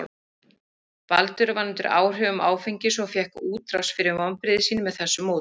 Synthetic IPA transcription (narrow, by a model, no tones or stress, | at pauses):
palt̪ʏɾvanːnt̪ʏɾa̰ːwr̥œːɣʏmʔaːwfejɲcɪsɔfjɛhkuːt̪ɾawsfɪɾɪɾmɔnpɾɪðɪsiːnɪmɛðθɛsːʏmːoːwt̪